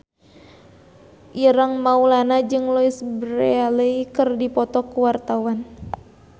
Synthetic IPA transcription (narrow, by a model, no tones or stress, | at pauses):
ʔiɾaŋmaulanad͡ʒɨŋlɔisbɾealəikɨrdipɔt̪ɔkuwart̪awan